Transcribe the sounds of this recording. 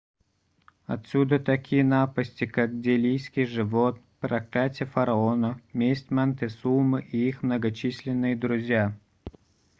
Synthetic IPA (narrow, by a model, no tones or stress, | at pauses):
ɐt̪sʲud̪ət̪ɐkʲʰijənapəsʲtʲɪkak̚dʲelʲijskʲɪjʐɨvot̪npɾɐklʲatʲɪjəfəɾɐonəmʲesʲtʲmɛnt̪ɨsulmɨʔiixmnəɡɐt͡ɕisʲlʲɪnːɨjəd̪ɾʊzʲja